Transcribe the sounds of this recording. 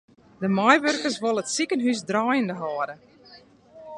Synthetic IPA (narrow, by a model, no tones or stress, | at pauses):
dəmajʋørkəsʋolˠətsikənɦysdraːjəndəɦɔːdə